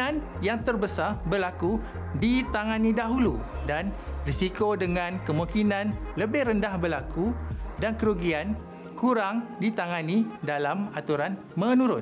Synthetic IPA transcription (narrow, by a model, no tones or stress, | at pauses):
an | jaŋt̪ərbəsarbərlaku | dit̪aŋãnidaɦulu | danrisikodəŋãnkəmukinãnləbɪhrəndahbərlakudankəɾuɡian | kuɾaŋdit̪aŋãnidalamat̪uɾan | mə̃nũɾʊ